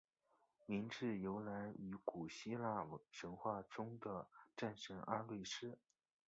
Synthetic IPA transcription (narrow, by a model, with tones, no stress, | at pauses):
mi˧˥ŋʈ͡ʂɻ̩˥˩jo˧˥ʊla˧˥ny˧˥ku˨˩ɕi˥la˥˩˥ʂə˧˥nxwa˥˩ʈ͡ʂʊ˥ŋd̪ə˨ʈ͡ʂa˥˩nʂə˧˥ŋʔa˥lwe˥˩ɪʂɻ̩˥